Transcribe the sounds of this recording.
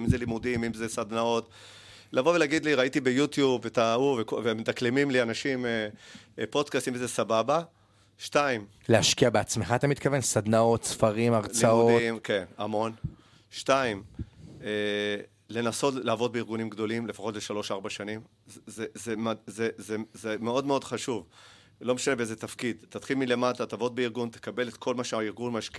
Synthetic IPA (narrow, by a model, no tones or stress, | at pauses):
imzelimudimimzesad̪nao̞t | lavo̞velaɡid̪liʁaitibejut̪jubvetauvekovemet̪aklemimlianaʃimepo̞dkast̪imvezesababa | ʃtaim | leaʃkiabeat͡smeχat̪amit̪kavensad̪nao̞t̪sfaʁimaʁt͡sliamuodimke̞namo̞n | ʃtaime | le̞naso̞tleaːvo̞d̚beiʁɡunimɡd̪o̞limle̞faχo̞tleʃalo̞ʃaʁbaʃanim | zezemazezezeme̞o̞dme̞o̞dχaʃuv | lo̞meʃanebeezet̪afkid̪t̪at̪χilmilemat̪at̪avo̞t̪̚beiʁɡunt̪e̥kabe̞let̪kʰo̞lmaʃeaiʁɡunmaʃki